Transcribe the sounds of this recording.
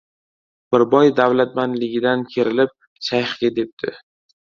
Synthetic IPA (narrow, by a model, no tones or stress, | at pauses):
b̥ɪɾbɒjd̪awlat̪̚manlɪɡʲɪd̪ankʲʰe̞ɾɪlɪp̚ | ʃajχɪɡʲad̪e̞p̚d̪̥ʰɪ